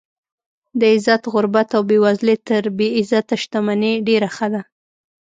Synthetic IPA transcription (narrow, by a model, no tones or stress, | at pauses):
d̪əɪzat̪ɣʊɾbat̪awbewazlet̪əɾbeɪzat̪aʃt̪amaneɖeɾaxəd̪a